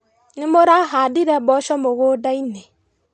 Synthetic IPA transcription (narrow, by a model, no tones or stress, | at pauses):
nɪmoɾaɦadɪɾɛbɔʃɔmoɣodaine